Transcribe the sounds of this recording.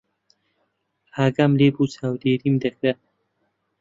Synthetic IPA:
aːɡamlebut͡sʰaːwd̪eːɾimd̪ɐxɾe

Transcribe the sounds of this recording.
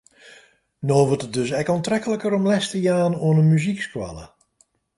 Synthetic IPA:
noːʋətət̚døsɛkantrɛkələkəɾɔmlɛstəjaːnoənəmyzikskwa̰lə̰

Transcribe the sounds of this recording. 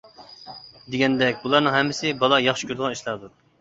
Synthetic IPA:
d̪eɡʲɛnd̪ɛkʲbulˠɑɾnɨŋɦɛmːɪsɪbɑlˠɑjɑχʃi̥kʲyɾd̪əʁɑniʃlˠɑɾd̪u

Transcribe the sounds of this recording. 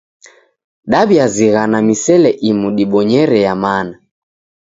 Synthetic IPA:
ɗaɓiaziɣanamisɛlɛʔimuɗiɓɔɲɛɾɛjamana

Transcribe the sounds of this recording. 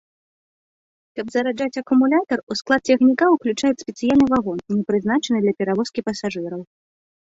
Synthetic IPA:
kɐbzɐɾad͡ʐat͡sʲɐkumulʲat̪ɐrusklˠat̪̚t͡sʲɛxnʲikawklʲut͡ʂajɛt͡sʲsʲpʲɛt̪sɨjalʲnɨvaɣɔnnʲɛpɾɨzn̪at͡ʂɐnɨd̪lʲɐpʲɛɾavɔskʲipɐsaʐɨɾɐw

